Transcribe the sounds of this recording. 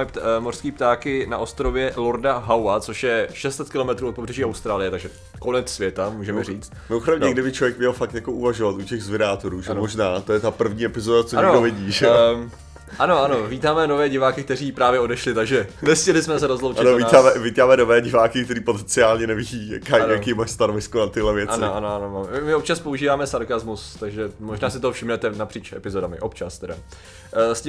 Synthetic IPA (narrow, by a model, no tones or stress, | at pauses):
ɪp̪mor̥skiːp̚t̪aːkɪna̰ʔo̞st̪ɾovjɛlo̞ɾdaɦawat͡so̞ʃjɛʃɛst̪t͡sɛt̪kɪlo̞mɛt̪ɾuʔot̪̚pobrɛʒiːawst̪ɾaːlɪjɛt̪aɡʒɛ | ko̞nɛt͡ssvjɛt̪amuːʒɛmɛɾiːt͡st̪mɪoxɾɛmnɲɛɡdɪbɪt͡ʃlovjɛk̚mɲɛlfakt̪jakoʔuvaʒovat̪ucɛɣzvɪɾaːt̪oɾuːʒɛmoʒnaːt̪ojɛt̪apr̩vɲiːɛpɪzodat͡soanodovɪɟiːʒɛo | ʔano̞ʔanoviːt̪aːmɛnovɛːɟɪvaːkɪk̚t̪ɛriːpɾaːvjɛo̞dɛʃlɪt̪aɡʒɛnɛscɛlɪsmɛs̬ɛɾozlowt͡ʃaɪnovit̪aːmɛviːt̪aːmɛnovɛːɟɪvaːkɪkt̪ɛɾiːpot̪ɛnt͡sɪaːlɲɛnɛviiːjakaːjakiːmaʃst̪anovɪskonat̪ɪɦlɛvjɛʔaɪnoʔanoanomaːmɛɪmɪop̚t͡ʃaspouʒiːvaːmɛsaɾkazmust̪aɡʒɛmoʒnaːsɪt̪oɦofʃɪmnɛt̪ɛnapr̥iːt͡ʃʔɛpɪzodamɪ̰ʔo̞pt͡ʃast̪ɛda̰ | scɪ